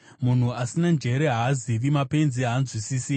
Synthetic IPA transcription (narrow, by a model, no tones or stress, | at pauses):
mun̤uasinand͡ʒe̞ɾeɦaziʋimape̞nziɦaːnzwisisi